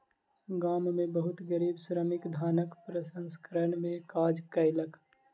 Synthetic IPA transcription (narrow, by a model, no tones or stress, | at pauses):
ɡaːmmẽbɐɦʊt̪ɡəɾiːbsɾəmɪkd̪ʱaːnəkpɾəsə̃nskəɾənmẽkaːd͡ʒkɐɪlək